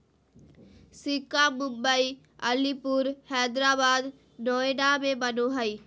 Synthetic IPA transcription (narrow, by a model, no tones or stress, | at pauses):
sɪkamʊ̃mbəi | ɐlipʊɾhɛːd̪ɾaːbaːd̪ | noːenamẽbɐnoɦɐiː